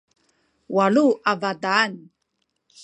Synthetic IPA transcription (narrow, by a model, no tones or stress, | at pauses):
waluavadaːn